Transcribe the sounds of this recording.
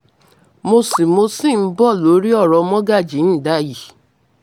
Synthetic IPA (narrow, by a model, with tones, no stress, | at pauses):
mo˧si˨mo˧sĩ˦˨˦bɔ˦˨lo˨˦ɾi˦ɔ˦˨ɾɔ˧mɔ̃˦ɡa˦˨d͡ʒi˨˦n̩˦˨da˨˦ji˨